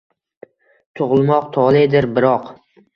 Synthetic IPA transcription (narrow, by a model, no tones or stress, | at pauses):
t̪ʰoʁlˠmɒq̚t̪ʰɒlˠɪd̪ɪɾbɪɾɒq